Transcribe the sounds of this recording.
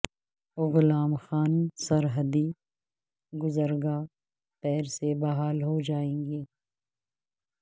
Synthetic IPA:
ɣʊlaːmxaːnsɐɾɦəd̪i | ɡʊzəɾɡa | p̪ɛːɾsebɐɦaːlɦod͡ʒaːẽːŋɡeː

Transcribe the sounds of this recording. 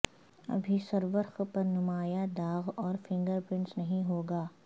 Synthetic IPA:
ɐ̰bʱisɐɾʋəɾxpɐɾnʊmaːjad̪aːɣɔːɾfʰɪ̃ŋɡəɾpɾɪ̃nsnɐɦĩɦoːɡaː

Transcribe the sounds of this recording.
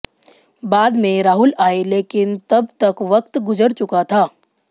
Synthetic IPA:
baːd̪mẽɾaːɦʊlaːeleːkɪnt̪ɐbt̪ɐkʋɐkt̪ɡʊd͡ʒəɾt͡ʃʊkat̪ʰaː

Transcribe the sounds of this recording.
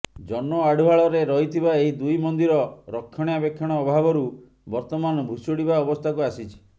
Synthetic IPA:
d͡ʒɔnmɔaɽuɦaɭɔɾeɾɔɦit̪ʰibaeɦid̪ujmɔnd̪iɾɔɾɔkʰːɔɽ̃jabekʰːɔɽ̃ɔːbʱabɔɾu | bɔɾt̪ɔmanɔbʱusoɽibaɔbɔst̪ʰakuasit͡ʃʰi̥

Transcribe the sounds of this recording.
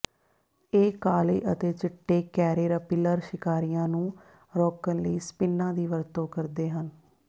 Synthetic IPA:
eːkaːlḛːʔət̪eːt͡ʃɪʈːeːkɛːɾeːɾəpɪləɾʃɪkaːɾijãːnũː | ɾɔːkənləiːspɪnːãːd̪iːʋəɾt̪õːkəɾd̪eːɦən

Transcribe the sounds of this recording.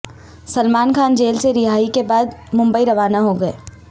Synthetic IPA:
sɐlmaːnkʰaːnd͡ʒeːlseɾɪɦaːikebaːd̪mʊ̃mbəiɾɐʋaːnaɦoɡɐḛː

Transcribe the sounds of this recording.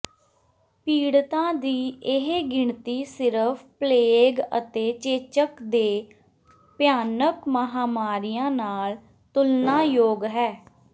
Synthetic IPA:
piːɽt̪ãːd̪iːʔɪɦɡɪɳt̪iːsɪɾəpʰpleːɡə̰t̪eːt͡ʃeːt͡ʃəkd̪eː | pjaːnəkməɦaːmaːɾijãːnaːl | t̪ʊlnãːjoːɡɦɛː

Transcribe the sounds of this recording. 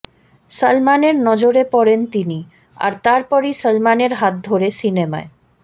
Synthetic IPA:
səlmaneɾnɔd͡ʑoɾepɔɾent̪ini | a̰ɾt̪aɾpɔɾisəlmaneɾɦat̪̚d̪ʱoɾesinema̰e

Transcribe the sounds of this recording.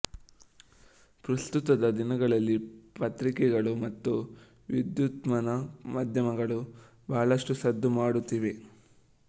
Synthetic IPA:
pɾɐst̪ut̪ɐd̪ɐd̪inɐɡɐɭɐlːipɐt̪ɾikɛɡɐɭumɐt̪ːu | ʋid̪jut̪mɐnɐmaːd̪ʱjɐmɐɡɐɭu | baːɐɭɐʂʈusɐd̪ʱːumaːɽut̪ːiʋe̞

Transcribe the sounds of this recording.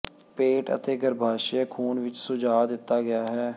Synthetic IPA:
peːʈə̰t̪eːɡəɾbʱaːʃeːkʰuːnʋɪt͡ʃsʊd͡ʒaːd̪ɪt̪ːaːɡɪjaːɦɛː

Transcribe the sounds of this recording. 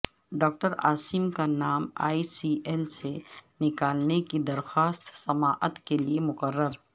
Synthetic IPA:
ɖɔːk̚ʈəɾa̰ːsimkanaːma̰ːisieːlsenɪkaːlnekid̪ɐɾxaːst̪sɐmaːʔət̪keliemʊqəɾːəɾ

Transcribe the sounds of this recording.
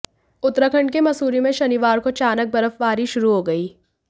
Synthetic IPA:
ʊt̪ːɾəkʰə̃ɳɖkemɐsuːɾimẽʃɐniʋaːɾkot͡ʃaːnək̚bɐɾəfʋaːɾiʃʊɾuɦoːɡɐiː

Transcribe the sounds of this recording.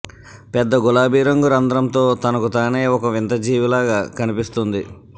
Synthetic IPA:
pɛd̪ːɐɡulaːbiːɾɐŋɡuɾɐnd̪ɐɾɐmt̪o̞ːt̪ɐnɐkut̪aːneːɔkɐʋint̪ɐd͡ʒiːʋilaːɡaːkɐnipist̪und̪i

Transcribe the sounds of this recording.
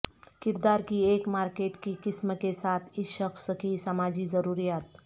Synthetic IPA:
kɪɾd̪aɾkiekmaɾkeʈkikisməkesat̪ʰiʃəksəkisəmad͡ʒizəɾuːɾijaːt̪

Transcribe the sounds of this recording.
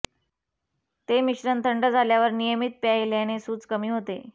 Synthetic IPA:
t̪emiɕɾənt̪ʰəɳɖəd͡zʱaljaʋəɾnijəmit̪̚pjajljañesuːt͡skəmiːɦot̪e

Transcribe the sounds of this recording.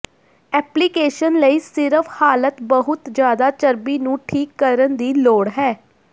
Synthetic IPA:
ɛːplikeːʃənləiːsɪɾəpʰhaːlət̪bəɦʊt̪d͡ʒjaːd̪aːt͡ʃəɾbiːnũːʈʰiːkːəɾənd̪iːloːɽɦɛː

